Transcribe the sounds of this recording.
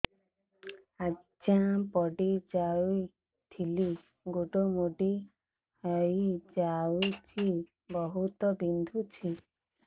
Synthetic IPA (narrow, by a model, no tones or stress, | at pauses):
a | d͡ʒapɔɖid͡ʒaui | t̪ʰili | ɡoɖomuɖi | əid͡ʒaut͡ʃʰi | bɔɦut̪ɔbind̪ʱut͡ʃʰi